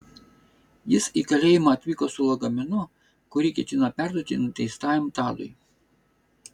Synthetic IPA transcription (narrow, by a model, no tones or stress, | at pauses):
jɪsikɐlʲeːjɪmɐɐt̪ʲʋʲiːkosʊlˠoɡɐmʲɛnʊ | kʊɾʲiːˑkʲɛt̪ʲɪnɐpʲæˑɾd̪oːt̪ʲɪnt̪ʲɛɪst̪ɑːjʲɛmt̪ɑːd̪ʊ̰ɪ